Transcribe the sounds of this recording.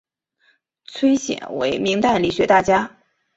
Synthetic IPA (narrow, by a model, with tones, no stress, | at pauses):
t͡sʰwe˥ɪɕjɛ̰˨˩nwḛ˧˥ɪmi˧˥ŋt̪a˥˩nli˨˩ɕɥɛ˧˥t̪a˥˩t͡ɕja˥